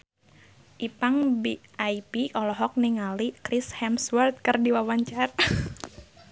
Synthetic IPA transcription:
ʔipaŋbiajpiʔɔlɔɦɔk̚niŋalikɾishɛmswərt̪̚kɨrdiwawaɲt͡ʃar

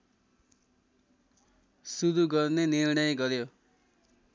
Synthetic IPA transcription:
sud̪uɡʌrnenirɳʌjɡʌɾjo

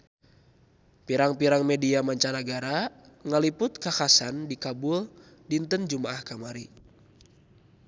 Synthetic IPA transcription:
piɾaŋpiɾaŋmɛdiamaɲt͡ʃanaɡaɾaŋaliput̪̚kakasandikabul | dint̪ənd͡ʒumaʔahkamaɾi

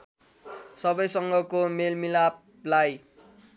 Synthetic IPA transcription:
sʌbʌjsʌŋɡʌkomelmilap̚ | laj

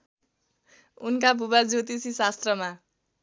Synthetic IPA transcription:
unkabʱubad͡zot̪isisast̪rʌma

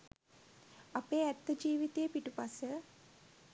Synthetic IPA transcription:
apeːæt̪ːəd͡ʒiːʋit̪ejəpiʈupasə

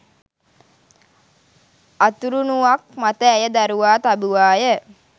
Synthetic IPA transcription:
at̪uɾunuʋak̚mat̪əæjəd̪aɾuʋaːt̪abuʋaːjə

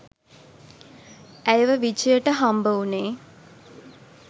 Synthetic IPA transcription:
æjəʋəʋit͡ʃəjəʈəɦambəuneː

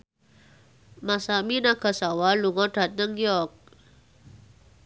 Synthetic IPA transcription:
masaminaɡ̥a̤sawaluŋɔɖ̥a̤t̪̚nəŋijɔrk̚

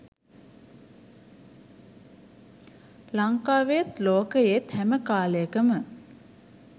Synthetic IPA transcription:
laŋkaːʋejət̪loːkəjet̪hæməkaːləjəkəmə

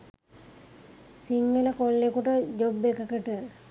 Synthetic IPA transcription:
siŋɡələkolːekuʈəd͡ʒobekəkəʈə

